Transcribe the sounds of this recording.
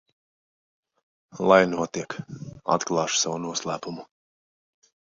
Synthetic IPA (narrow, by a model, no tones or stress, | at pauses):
lˠajnuɔt̪iɛka̰t̪klˠɑːʃu̥savunuɔslˠæːpumu